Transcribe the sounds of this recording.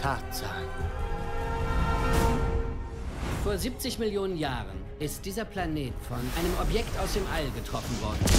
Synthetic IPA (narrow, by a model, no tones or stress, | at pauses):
tʰaːtz̥aχ̩ | foːɐziːp̚t͡sɪçmɪljoːnənjaːʁə̰n | ʔɪst̚d̥iːzɐpl̥aneːtfɔnʔaɪnəmʔɔpjɛktaʊsd̥eːmʔalɡətʁ̥ɔfn̩vɔɐdn̩